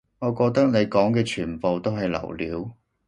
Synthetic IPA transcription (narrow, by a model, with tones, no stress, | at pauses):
ŋɔː˨˧kɔː˧k̚t̪ɐ˥k̚ne˨˧jkɔː˨˥ŋkɛː˧t͡ʃʰyː˨˩npo˨wt̪o˥wɦɐ˨jlɐ̰˨˩wliː˨˥w